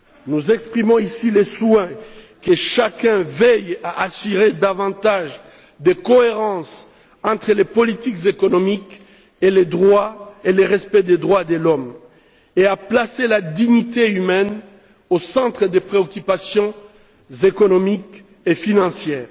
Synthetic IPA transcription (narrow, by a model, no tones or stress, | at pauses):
nuzɛkspχimɔ̃isileswɛ̃ | kəʃakɛ̃vɛjaʔasyʁed̪avɑ̃t̪aʒ | d̪ekɔeʁɑ̃s | ɑ̃t̪χəlepɔlit̪ikzekɔnɔmik | eled̪ʁwaeleʁɛspɛd̪ed̪ʁwad̪əlɔm | eaplaselad̪iɲit̪eymɛn | osɑ̃t̪χəd̪epχeɔkʲypasjɔ̃ | zekɔnɔmik | efinɑ̃sjɛːʁ